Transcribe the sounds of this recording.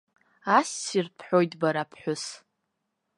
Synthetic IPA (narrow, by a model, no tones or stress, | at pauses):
ast͡sirpʰħʷᶣo̞jtʼbaɾapʰħʷᶣʊs